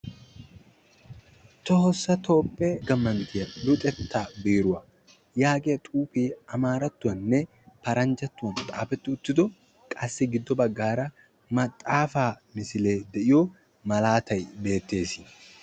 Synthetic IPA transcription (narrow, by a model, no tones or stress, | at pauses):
t̪ɔhɔsːɐt̪o̞ːpʼːeɡɐmːɐnt̪ɪjɐlʊt̪ʼɛt̪ʰːaːbiːɾʊwɐ | jaːɡɪɐt̪ʼuːpiɐmaːɾɐt̪ːʊwɐnːɛ | pɐɾɐnd͡ʒɐt̪ːʊwɐnt̪ʼa̰ːfɛt̪ːɪʊt̪ːɪd̪ɔ | kʼɐsːɪɡɪd̪ːɔbɐɡːaːɾɐ | mɐt̪ʼːaːfaːmɪsɪle̞ːd̪ɛʔɪjɔ | mɐlaːt̪ɐjbe̞ːt̪ːe̞ːsɪ